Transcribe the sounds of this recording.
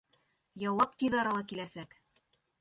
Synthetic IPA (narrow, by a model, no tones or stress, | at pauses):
jɒwɑp̚t̪iðɑɾɑlɑkilæsæk